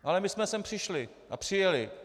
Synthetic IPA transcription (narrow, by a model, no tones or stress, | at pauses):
ʔalɛmɪsmɛsɛmpr̝̥ɪʃlɪ | ʔa̰pr̥ɪjɛlɪ